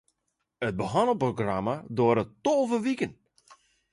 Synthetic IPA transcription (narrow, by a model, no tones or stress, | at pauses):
ət̚bəɦɔnəproɡramadoəɾəttolˠvəʋikən